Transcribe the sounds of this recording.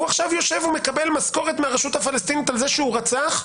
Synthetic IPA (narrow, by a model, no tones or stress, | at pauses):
uaχʃavjo̞ʃe̞vume̞kabe̞lmasko̞ʁet̪meaʁeʃut̪hafalest̪init̪alzeʃeuʁat͡saχ